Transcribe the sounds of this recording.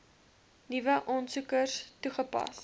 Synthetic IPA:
nivəʔɔnsukərstuχəpɑ̰s

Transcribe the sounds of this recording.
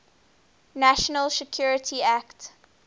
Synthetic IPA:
næʃənəlsɛkʰjuɹətʰiækt

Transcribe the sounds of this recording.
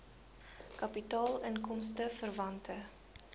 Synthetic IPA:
kɐpitɑːlənkɔmstəfərvɐntʰə

